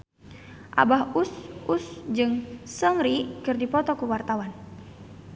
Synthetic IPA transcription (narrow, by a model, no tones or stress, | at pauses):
ʔa̰baɦusʔusd͡ʒɨŋsɔŋɾikɨrdipɔt̪ɔkuwart̪awan